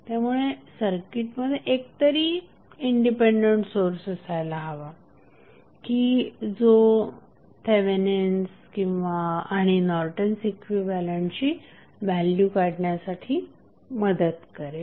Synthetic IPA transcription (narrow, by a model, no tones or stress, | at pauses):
t̪jamuɭesəɾkiʈməd̪ʱːjeʔek̚t̪əɾiː | iɳɖipeɳɖeɳʈsoɾsesajlaɦaʋa | kiːd͡zo | t̪ʰeʋenenskĩw̃ʋaaɽ̃inɔɾʈənsekʰʋiʋaljant͡ɕiː | ʋæljukaɽɳjasaʈʰiː | məd̪ət̪kəɾe